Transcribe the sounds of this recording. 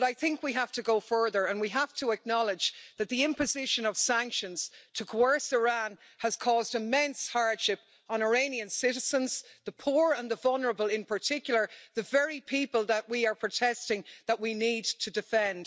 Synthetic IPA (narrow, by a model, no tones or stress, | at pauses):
ɾaɪθɪ̃ŋkwiɦaftəɡoʊfɜ˞ðə˞ə̃nwiɦaftʰəək̚nɑlˠɪd͡ʒðət̪̚ðiɪ̃mpɨzɪʃə̃nʌv̥sæ̃ŋkʃə̃nz̥tʰəkʰɛɹsɪɹãn | əz̥kʰɔːzdɪmɛ̃nshaɹd̥ʃɪp | n̩ə˞ẽɪ̃niɨ̃nsɪɾɪz̥ə̃nz̥ðəpʰuɹə̃nðəvʌlˠnə˞əbəlˠɪ̃npʰə˞tʰɪkjl̩ˠə˞ðəvɛɹipʰipəlˠðəʔ̚wiə˞pʰɹ̥ɨtʰɛstɪ̃ŋðəʔ̚winid̚tʰɨdɨfɛ̃nd̥